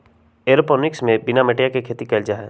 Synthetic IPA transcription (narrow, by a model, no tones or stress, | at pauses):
eːɾopɔnɪksmẽbɪnameʈijakekʰeːt̪ikɛːld͡ʒaɦɛː